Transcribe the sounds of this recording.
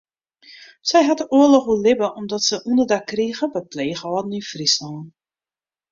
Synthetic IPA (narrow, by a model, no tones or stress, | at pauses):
sɛjɦatəuəlɔxulɪbəʔɔmdɔtsəʔundərdakːriːɣəbəpleːxəɔːdn̩ynfrisɔːn